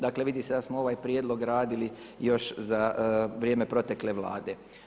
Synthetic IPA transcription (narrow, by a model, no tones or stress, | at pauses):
d̪aːkle̞ʋid̪ise̞d̪asmoo̞ʋaːjpɾʲjed̪lo̞ɡɾaːd̪ili | jo̞ʃzaʋɾje̞ːme̞pɾo̞t̪ekle̞ʋlˠa̰ːd̪e̞